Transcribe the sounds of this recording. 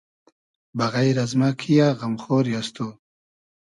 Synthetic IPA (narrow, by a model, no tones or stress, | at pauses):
baɣajɾazmakʰijaɣamχoːɾjast̪u